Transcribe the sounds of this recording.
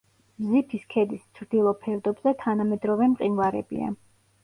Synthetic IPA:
mzipʰiskʰɛd̪ist̪sʰɾd̪ilˠɔpʰɛɾd̪ɔbzɛt̪ʰanamɛd̪ɾɔvɛmqʼinvaɾɛbḭa̰

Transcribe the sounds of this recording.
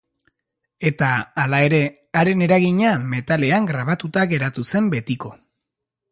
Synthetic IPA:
e̞t̪aːlae̞ɾe̞ | aɾe̞ne̞ɾaɣiɲame̞t̪ale̞aŋɡɾaβ̞at̪ut̪aɣe̞ɾat̪use̞mbe̞t̪iko̞

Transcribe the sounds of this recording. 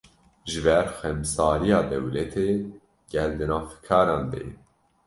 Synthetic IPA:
ʒɨbɛɾxɛmsɑːɾijɑːd̪ɛ̰wlɛt̪ʰeː | ɡ̥ɛld̪ɨnɑːfkʰɑːɾɑːnd̪ḛ

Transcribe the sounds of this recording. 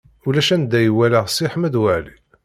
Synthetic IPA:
ulæʃænd̪æjwæləʁsˤiħəmæd̪wəʕlḭ

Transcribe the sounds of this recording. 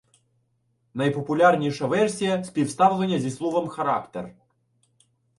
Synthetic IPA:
nɐjpɔpʊlʲɑrnʲiʃɐʋɛrsʲijɐsʲpʲiwst̪ɑwlˠenʲːɐzʲislˠɔʋɐmxɐɾɑ̰kt̪ḛr

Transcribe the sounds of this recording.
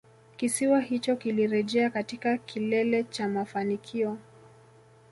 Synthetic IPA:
kisiwahit͡ʃɔkiliɾɛʄɛakatikakʰilɛlɛt͡ʃamafanikʰiɔ

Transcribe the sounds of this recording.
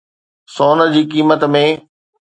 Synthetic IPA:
soːnə̆d͡ʑiːkiːmət̪mẽ

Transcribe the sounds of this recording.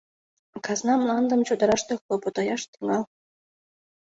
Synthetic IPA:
kɑznɑmlˠɑnd̪ɤ̆mt͡ɕud̪ɑ̆ɾɑʂt̪ɤ̆xobɤ̆t̪ɑjɑʂt̪i̥ŋɑlˠ

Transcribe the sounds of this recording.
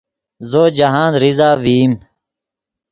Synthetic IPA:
zoːd͡ʑɐɦaːnɾizaːʋiːm

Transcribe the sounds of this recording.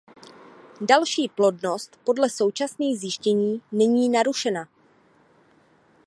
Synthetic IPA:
dalʃiːplo̞dno̞st̪po̞dlɛso̞wt͡ʃasniːxzjɪʃcɛɲiːnɛɲiːnaɾuʃɛna

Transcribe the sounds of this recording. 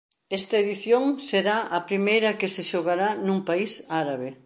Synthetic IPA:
ɛst̪ɐeðiθjoŋseɾaʔɐpɾimejɾɐkeseʃoɣaɾanũmpaisaɾaβe

